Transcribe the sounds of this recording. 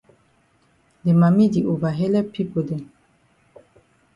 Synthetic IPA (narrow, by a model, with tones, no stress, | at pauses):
de˨ma˨mi˦di˨ʔo˨va˨ɦe˦lɛ˦pi˦ko˨dɛ˨